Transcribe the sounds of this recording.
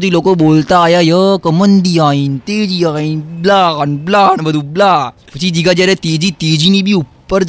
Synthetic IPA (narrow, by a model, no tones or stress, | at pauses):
t̪iːlokəbolt̪aːjajəkəmənd̪iaint̪ed͡ʑiaiːnblaanblanbəd̪ublapət͡ɕid͡ʑiɡad͡ʑiaɾjat̪ed͡ʑiːt̪ed͡ʑiːnibʱiupːəɾ